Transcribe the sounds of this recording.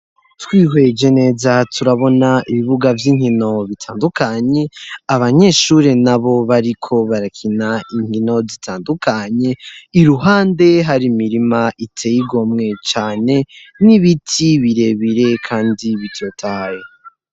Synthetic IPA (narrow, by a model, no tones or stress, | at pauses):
twiːɦwe̞d͡ʒe̞ne̞zatʰuɾaβo̞naiβiβuɡavjiːŋhino̞βitʰaːndukaɲe̞aβaɲe̞ʃuɾenaβo̞βaɾikʰo̞βaɾakʰinaʔiŋ̥hino̞zitʰaːndukʰaɲe̞iɾuɦaːnde̞ɦaɾimiɾimaʔitʰejiɡo̞mŋe̞t͡ʃaːne̞ | niβitʰiβiɾe̞βiɾe̞kʰaːndiβitʰotʰahaje